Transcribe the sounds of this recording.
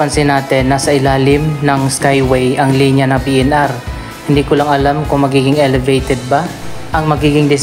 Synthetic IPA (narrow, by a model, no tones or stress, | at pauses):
ɐnsɪnaːt̪ɛnːasɐʔɪlaːlɪmnɐŋskajwɛjʔɐŋliːnjɐnɐŋpiːʔɛnʔaɾ | hɪnd̪iːkʊlɐŋɐlamkʊŋmɐɡiːɡɪŋʔɛlɛvejt̪ɛd̪̚baʔɐŋmɐɡiːɡɪŋd̪ɪs